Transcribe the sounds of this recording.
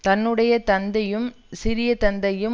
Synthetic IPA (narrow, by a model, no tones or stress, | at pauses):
t̪ɐnːɯɽɐjɐt̪ɐnd̪ɐjɯm | sɪɾɪjɐt̪ɐnd̪ɐjɯm